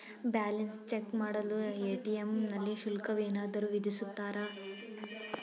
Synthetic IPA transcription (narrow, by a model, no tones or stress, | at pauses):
baːlɐnst͡ʃekmaːɽɐlueːʈiemnɐlːiʃulkɐʋeːnaːd̪ɐɾuːʋid̪isut̪ːaːɾa